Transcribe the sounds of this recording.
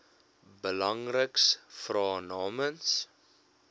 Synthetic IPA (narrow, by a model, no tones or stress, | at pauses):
bəlɐŋrəksfrɑːnɑːməns